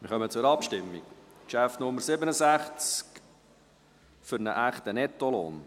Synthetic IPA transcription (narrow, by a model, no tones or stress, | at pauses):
mɪɾχœmət͡sʊɾɑpʃtɪmːḭkkʃæfnʊmːəɾsɪbənəsæχt͡sk | fʏɾnə̰ʔæχt̪ənɛt̪ːɔlo̰ːn